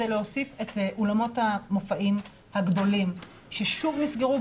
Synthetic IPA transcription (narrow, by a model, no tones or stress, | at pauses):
eleho̞sife̞tʔolamo̞thamofaʔim | haɡdo̞lim | ʃe̞ʃuvnisɡeʁu